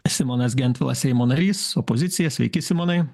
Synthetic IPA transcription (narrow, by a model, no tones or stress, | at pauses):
sʲɪmɔːnɐs̬ɡʲɛnʲt̪ʋʲɪlˠɐ̰sʲɛɪmoːnɐɾʲiːsɔpɔzʲɪt̪sʲɪjɛsʲʋʲɛ̰ɪkʲɪsʲɪmonɐɪ